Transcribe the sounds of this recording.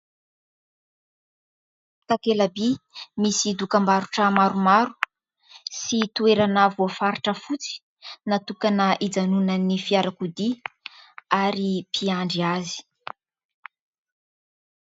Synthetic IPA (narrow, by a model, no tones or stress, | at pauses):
t̪akelabimisid̪ukambaɾuʈ͡ʂəmaɾumaɾu̥ | sit̪ueɾanavuafaɾiʈ͡ʂəfut͡si̥ | nat̪ukanaʔid͡zanunanifiaɾakud̪i | aɾipʰiaɳɖ͡ʐiazi̥